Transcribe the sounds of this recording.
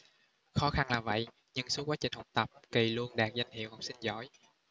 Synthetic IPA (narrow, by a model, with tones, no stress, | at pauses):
xɔ˨˦xa˧nlaː˨˩və̰˧˨j | ɲɨ̰˧ŋsu˨˦kwaː˨˦t͡ɕï˨˩ŋ̟hə˨˩wk͡p̚t̪ə˨˩p̚ki˨˩lu˧ənɗaː˨˩k̚za˧jŋ̟hḭ˧˨əwha˨˩wk͡p̚sï˧ŋ̟zɔ̰˧˩˦j